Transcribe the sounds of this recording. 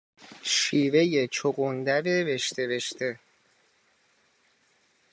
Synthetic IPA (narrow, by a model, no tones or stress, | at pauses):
ʃiːve̞je̞t͡ʃʰoɡond̪æɾeve̞ʃt̪ʰebe̞ʃt̪ʰe̞